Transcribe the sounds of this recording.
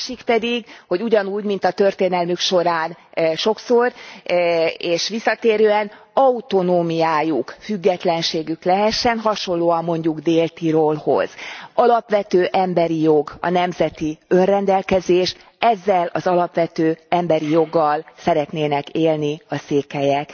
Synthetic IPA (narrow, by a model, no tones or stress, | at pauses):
ʃikpɛd̪iɡho̞ɟuɟɒnuːɟmin̪t̪ɒt̪ørt̪eːnɛlmykʃo̞ɾaːnʃo̞ksor | eːʃʋisːɒt̪eːɾøːɛn | ɒut̪o̞noːmijaːjukfyɡːɛt̪lɛnʃeːɡyklɛɦɛʃːɛnɦɒʃo̞nloːɒmːo̞ɲɟuɡd̪eːlt̪iɾolho̞̰z̥ɒlɒpʋɛt̪øːʔɛmbɛɾijo̞ɡɒ̰nɛmzɛt̪iønrɛnd̪ɛlkɛzeːʃ | ɛzːɛlɒzɒlɒpʋɛt̪øːɛmbɛɾijo̞ɡːɒlsɛɾɛt̪neːnɛkeːlniɒseːkɛjɛk